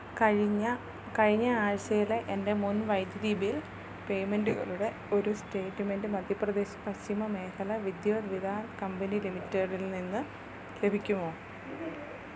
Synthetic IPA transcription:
ɐɻiɐ | kɐɻiɲːɐaːɻɐɕɐjile̞ʔende̞munʋɐjd̪jɐɾiːbijil | pe̞jmenduɣɐ̰ɭuɽe̞ | o̞ɾuste̞ːʈːme̞ndɨmɐd̪ʱjɐprɐd̪e̞ːɕɐ̥pɐɕt͡ɕimɐme̞ːkʰɐlɐʋid̪jɐːʋid̪ʱaːnkɐmbɐnilimitːɐɽilninːɨ | le̞bʱikʲːumoː

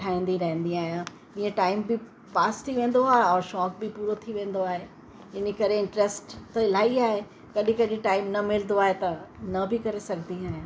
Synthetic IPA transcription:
ʈʰaːĩn̆d̪iɾɐɦɪ̃nd̪iaːɦjãː | ĩːẽʈaːɪmbɪ | paːsʈʰiʋẽːn̆d̪oaːɦeɔːɾʃɔːk̚bɪpuːɾot̪ʰiʋẽːn̆d̪oaːɦe | ɪnekɐɾeɪ̃ɳʈɾesʈt̪ɐɪlaːiaːɦe | kɐɗĩkɐɗɪ̃ʈaːɪmnɐmɪlnd̪oaːɦet̪ɐnɐbʱɪkɐɾesɐɡʱniaːɦijãː

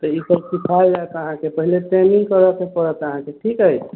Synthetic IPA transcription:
t̪ɔipəɾsipʰald͡ʒaet̪əɦãkepəɦileʈɛmiŋɡkəɾəkepəɾət̪əɦãkeʈʰikɦəj

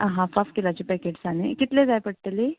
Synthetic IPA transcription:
aɦãfafkelat͡ɕipɛkeʈsanekit̪led͡zajpəɽ̚ʈ̪əle

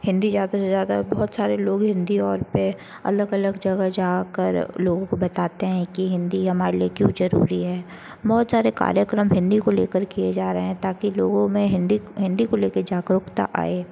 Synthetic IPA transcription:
hɪ̃nd̪izjaːd̪asezjaːd̪abɔɦʊt̪saːɾeloːɡɦɪ̃nd̪iɔːɾpe | ɐ̰ləɡɐləɡd͡ʒɐɡad͡ʒaːkə̰ɾloːɡõkobɐt̪aːt̪eɦɛ̃kiɦɪ̃nd̪iɦɐmaːɾeliekjũzɐɾṵːɾiɦɛː | bɔːt̪saːɾeka̰ːɾjəkɾəmɦɪ̃nd̪ikolḛːkəɾkied͡ʒaːɾɐɦeɦɛ̃t̪aːkiloːɡõmẽɦɪ̃nd̪iɦɪ̃nd̪ikoleːked͡ʒaːkəɾʊkt̪a̰ʔa̰ːeː

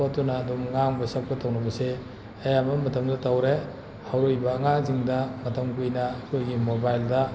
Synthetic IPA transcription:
atunɐːdumŋaŋbɐsɐk̚pɐtʰɐwnɐbɐse | ɐjamɐmɐtɐmdɐtawɾe | hawɾojbɐːŋaziŋdɐmɐtʰɐmkujnɐːkʰojɡimobajldɐ

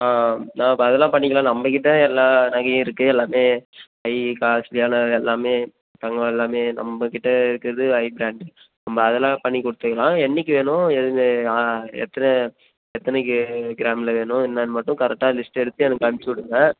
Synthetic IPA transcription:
aːnãːɪpːɐɐðɛlːãːpɐɳːɪŋkːɐlãːnɐmbɐk̬ɪʈːɐɛlːaːnɐɣɐjɐ̃ɪɾɯkːɯɛlːaːmeː | ɐɪkaːslɪjaːnɐɛlːaːmeː | t̪ɐŋɡɐɛlːaːmeːnɐ̰mbɐkɪʈːɐɪɾɯkːɪɾɐðɯɐɪbɪɾaːɳɖ | nɐmbɐːðɛlːãːpɐɳːikɔɽɯt̪ːɯkːɐɭãːɛnːɪkːɯʋeːɳʊ̃ɛðɯeaɛ̰t̪ːɐnɐ | ɛt̪ːɐnɐkːɯɡɪɾaːmɪlɐʋeːɳʊ̃ɪnːɐːnɯmɐʈːʊ̃kɐɾɛk̚ʈːaːlɪsʈɛɽɯt̪ːɯɛnɐkːɯɐmt͡ʃːʊɽɯŋɐ

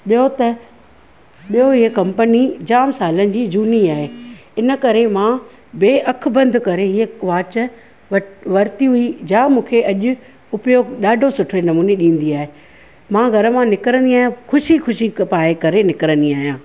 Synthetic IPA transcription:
ɓijot̪ɐ | ɓijoɦɪɦkɐ̃mpənid͡ʑaːmsaːlənɪ̆d͡ʑiːd͡ʑuːniaːɦeːɪnəkɐɾemã | beːʔɐk̆ʰbɐ̃nd̪ʱʊkɐɾeɦɪɦeʋaːt͡ɕə | ʋɐɾt̪iɦʊid͡ʑaːmũːkʰeʔɐʄʊ̆ | ʊpjoɗaːɖʱosʊʈʰenɐmuːneɗĩːn̆d̪iaːɦe | mãːɡʱɐɾə̆mãnɪkɾə̃nd̪iaːɦijãxʰʊʃixʊʃipaːekɐɾenɪkəɾə̃nd̪iaːɦijãː

